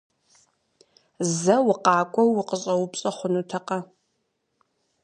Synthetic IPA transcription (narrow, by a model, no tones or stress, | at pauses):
zɐwʊqɑːkʷʼɔwːɪqəɕʼɐwʊpɕʼɐχʷʊnutʰɐqɐ